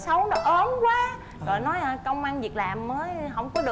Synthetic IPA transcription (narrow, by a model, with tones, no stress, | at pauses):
sə˨˦wnɔ˨˦ʔə˨˦mkwaː˨˦ | zo˨˩jnɔ˨˦jkə˧wŋ͡mʔaː˧nvi˨˩ək̚laː˨˩mːəː˨˦jɦə˧˩wŋ͡mkɔ˨˦ɗɨ˨˩